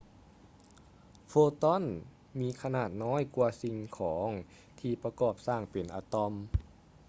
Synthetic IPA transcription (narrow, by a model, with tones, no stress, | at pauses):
foː˧t̪ɔ˧˥˨n | miː˧˥kʰa˧naː˨˩t̪̚nɔː˧˥˨jku˧ɐsi˧ŋkʰɔː˩˦ŋ | t̪ʰiː˧pa˧kɔː˧˩p̚saː˧˩ŋpe˨˩nʔaː˧˩t̪ɔ˧m